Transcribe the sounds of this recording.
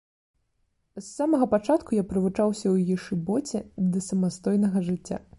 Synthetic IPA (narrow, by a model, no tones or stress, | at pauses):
sːamɐɣɐpat͡ʂat̪kujapɾɨvut͡ʂawsʲɐwjajɛʂɨbɔt͡sʲɛd̪ɐsɐmast̪ɔjnɐɣɐʐɨt͡sʲːa̰